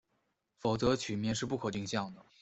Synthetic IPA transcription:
fo˨˩ʊt͡sɤ˧˥t͡ɕʰy˨˩mjɛ˥˧nʂɻ̩˥˧p̬u˥˩kʰɤ˨˩t̪i˥˧ŋɕjɑ˥˩ŋd̪ə˩

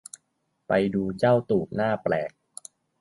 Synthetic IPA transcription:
pa˧jduː˧t͡ɕa˥˩wt̪uː˨˩k̚naː˥˩plɛ̰ː˨˩k̚

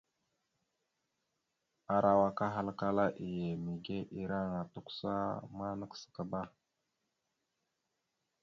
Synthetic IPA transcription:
a˨ɾʔa˨wa˨ka˦ɦa˦lka˦la˦ʔi˨je˨mi˨ɡe˦ʔi˨ɾa˦˨ŋa˨tu˦ksa̰˦ma˦nə˦ksə̥˨kə˨ba˦

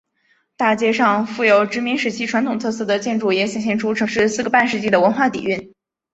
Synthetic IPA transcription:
t̪a˥˩t͡ɕjɛ˥ʂɑ˥˧ŋfu˥˩jo˧˩ʊʈ͡ʂɻ̩˧˥mi˧˥ŋʂɻ̩˧˥t͡ɕʰi˥˩ʈ͡ʂʰwa˧˥nt̪ʰʊ˨˩ŋt̪ʰɤ˥˧sɤ˥˩d̪ə˩t͡ɕjɛ˥˧nʈ͡ʂu˥˩jɛ˧˥ɕjɛ˨˩nɕjɛ˥˩nʈ͡ʂʰu˥ʈ͡ʂʰɤ˧˥ŋʂɻ̩˥˧sɹ̩˥˩ɡə˩pa˥˧nʂɻ̩˧t͡ɕi˥˩d̪ə˩wə˧˥nxwa˥˩t̪ḭ˨˩y˥˩n

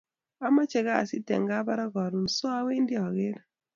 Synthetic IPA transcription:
a˦ma˦t͡ʃɛ˨ɡa̰ː˦˨sɪ˦tɛ̰˨ŋɡa˦ba˦ɾa˦ɡɔ˨ɾu˨nsɔ˦a˦we˦ndɪ˦ɔ˨ɣe˦ɾ

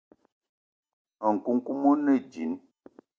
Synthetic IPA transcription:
ə˨ŋ̩˨ku˦ŋ˦ku˦mo˦nɛ˦˨d͡ʒi˨˦n

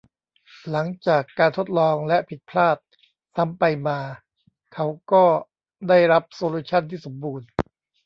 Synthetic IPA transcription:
la˩˦ŋt͡ɕaː˨˩kːaː˧nt̪ʰo˦˥t̪̚lɔː˧ŋlɛ˦˥ʔpʰi˨˩t̪̚pʰlaː˥˩t̪̚ | sa˦˥mpa˧jmaː˧ | kʰa˦˥wkɔː˥˩ | daː˥˩jɾa˦˥p̚soː˧luː˦˥t͡ɕʰa˥˩nt̪ʰiː˥˩so˩˦mbuː˧n

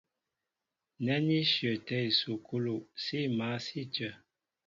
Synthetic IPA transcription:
nɛ˦ni˦ʃjə˨tɛ˦i˨su˨kʰu˦lo˨ʔsi˦˨ma˨˦si˦t͡ʃə˨

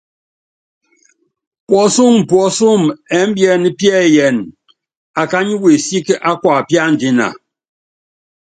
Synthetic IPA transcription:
pwɔ˨˦su˦˨ŋ̩˨pwɔ˨˦su˦˨mɛ˨˦m̩˦bjɛ˦˨ni˦pjɛ˦˨jɛ˨n | a˨ka˦ɲi˦we˨si˦kʔa˦kwa˨pja˦˨n̩˨di˦na̰˨

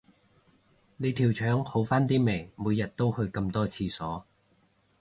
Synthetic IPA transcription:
ne˨˧jt̪ʰiː˨˩wt͡ʃʰœː˨˥ŋho˨˥wfaː˥nt̪iː˥me˨˩jmuː˨˧jɐ˨t̚t̪o˥whɵ˧ɥkɐ˧mt̪ɔː˥t͡sʰiː˧sɔː˨˥

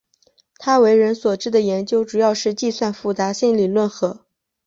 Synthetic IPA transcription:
t̪ʰa˥we˧˥ɪɻə˧˥nswɔ˨˩ʈ͡ʂɻ̩˥˩d̪ə˩jɛ˧˥nt͡ɕjo˥ʊʈ͡ʂu˨˩jɑ˥˧ʊʂɻ̩˥˧t͡ɕi˥˧swa˥˧nfu˧˥˩t͡sa˧˥ɕi˥˩nli˨˩lwə˥˩nxɤ˧˥

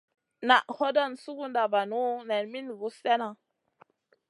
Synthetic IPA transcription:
na˨ʔho˦dɔ˦nsu˦ku˦nda˨ba˨nu˦nɛ˨nmi˦n˨ɡu˦sɛ˦na˨

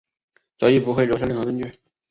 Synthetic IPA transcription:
t͡sɑ˧˥ʊi˥˩pu˧˥xwe˥˩ɪjo˧˥ʂʰlŋxɤ˧˥kə˥nt͡ɕy˥˩

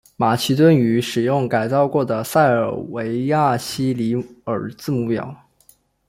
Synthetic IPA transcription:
ma˨˩ɕʰi˧˥t̪wə˥ny˧˥ʂɻ̩˨˩jʊ˥˩ŋka˨˩ɪt͡sɑ˥˧ʊkwɔ˥˩d̪ə˩sa˥˩ɪə̰˞˨˩we˧˥ɪja˥˩ɕi˥li˧˥ə˞˨˩t͡sɹ̩˥˧mu˥˩pjɑ̰˨˩˦ʊ

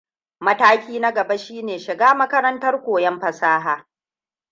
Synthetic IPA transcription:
mɐ˦taː˦kʲiː˦na˦ɡɐ˨ba˦ʃiː˦neː˨ʃɪ˨ɡaː˦mɐ˦kɐ˦ɾɐ˦ntɐ˦rkʷoː˨jɛ˦mɸɐ˨saː˦ɦaː˨

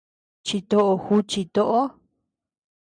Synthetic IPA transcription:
t͡ʃi˧t̪o˧ʔo˧xu˦t͡ʃi˧t̪o˦ʔo˦

